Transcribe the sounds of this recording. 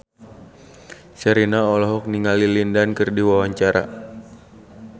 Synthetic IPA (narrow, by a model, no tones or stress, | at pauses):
sɛɾinaɔlɔɦɔk̚niŋalilindankɨrdiwawaɲt͡ʃaɾa̰